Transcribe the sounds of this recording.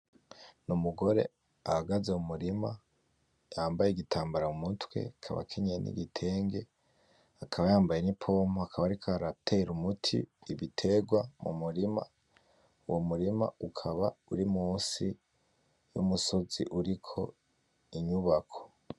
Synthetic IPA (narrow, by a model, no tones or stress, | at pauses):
numuɡo̞ɾe̞̰ | ahaɡazeumuɾima | jaːmbajeɡitʰaːmbaɾaumutwe̞̰kʰa̰βa̰kʰiɲenḭɡitʰe̞ːŋɡe̞ | akʰaβajaːmbajenipʰo̞moakʰaβaɾikʰaɾaptʰeɾumutʰḭːβitʰe̞ɡwamṵmuɾima̰ | uwomuɾima̰ukʰaβauɾimuːsi | jṵmuso̞zḭʔuɾikʰo̞ | iɲuβakʰo̥